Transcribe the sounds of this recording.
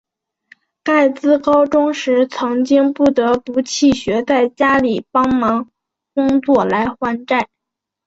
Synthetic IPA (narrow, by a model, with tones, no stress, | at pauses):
ka˥˩ɪt͡sɹ̩˥kɑ˥ʊʈ͡ʂʊ˥ŋʂɻ̩˧˥t͡sʰɤ˧˥ŋt͡ɕi˥ŋpu˥˩t̪ɤ˧˥pu˧˥t͡ɕʰi˥˩ɕɥɛ˧˥t͡sa˥˩ɪt͡ɕja˥li˨˩pɑ˥ŋmɑ˧˥ŋ | kʊ˥ŋt͡swɔ˥˩la˧˥ɪxwa˧˥nʈ͡ʂa˥˩ɪ